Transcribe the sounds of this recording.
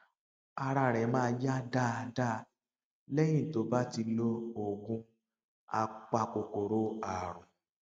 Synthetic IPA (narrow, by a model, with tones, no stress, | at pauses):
a˧ɾa˧˨ɾɛ˨˦mãː˦˧˦ja˦da˦˨˧da˦ | lɛ˦jĩ˦˨to˨˦ba˦ti˧lo˧o˨ɡũ˧˦ | a̰˧k͡pa˧ko˨ko˨ɾo˦a˦˨ɾ̃ũ˨